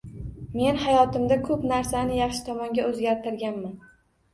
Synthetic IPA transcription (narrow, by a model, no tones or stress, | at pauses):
me̞nhajɒt̪ɪmd̪akʰɵpnaɾsanɪjɑχʃɪ̥t̪ʰɒmɒŋɡʲaɵzɡʲaɾt̪ʰɪɾɡʲanman